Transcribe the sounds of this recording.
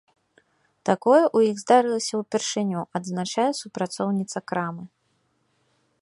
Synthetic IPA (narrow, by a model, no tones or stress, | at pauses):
t̪akɔjɛʔujiɣzd̪aɾɨlˠɐsʲɐwpʲɛrʂɨnʲuʔɐd̪znat͡ʂajɛsupɾat̪sɔwnʲit̪sɐkɾamɨ